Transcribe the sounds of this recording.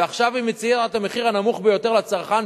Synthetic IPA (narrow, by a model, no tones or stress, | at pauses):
aχʃavimet͡sijet̪ameχiʁhanamuχbejo̞t̪e̞ʁlat͡saʁχan